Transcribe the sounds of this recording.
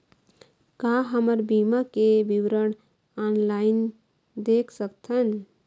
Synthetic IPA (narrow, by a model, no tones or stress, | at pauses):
kaɦəməɾbimakebiwɾəɽ | anlaɪn | d̪ekʰsəkt̪ʰən